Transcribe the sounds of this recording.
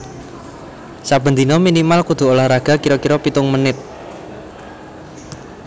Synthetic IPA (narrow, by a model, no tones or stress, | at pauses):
sab̥ənd̪inɔminimalkud̪̥ṳolahɾaɡ̥a̤kiɾɔkiɾɔpit̪ʊŋmənɪt̪̚